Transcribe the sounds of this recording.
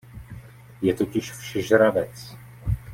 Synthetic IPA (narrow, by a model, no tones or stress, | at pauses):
jɛt̪o̞cɪʃfʃɛʒɾavɛt͡s